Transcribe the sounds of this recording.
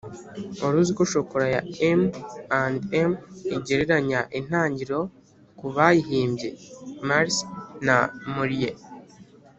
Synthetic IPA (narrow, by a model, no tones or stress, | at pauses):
oɾuzikoʃokoɾaja̰emandemiɟe̞ɾe̞ɾaɲaʔin̥haːɲɟiɾo̞ | kuβajiɦiːmbɟe̞maɾsnamuɾije